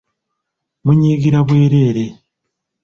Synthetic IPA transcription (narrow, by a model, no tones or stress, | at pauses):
muɲiːɡiɾaβwe̞ːɾe̞ːɾe